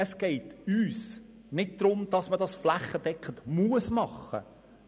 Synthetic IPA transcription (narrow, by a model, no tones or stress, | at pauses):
əsɡ̥ɛɪtyːs | nɪt̚d̥̪ɾʊmd̥̪ɑsmədɑsflæχːəd̥ɛkʰχəntmuəsmɑχːə̰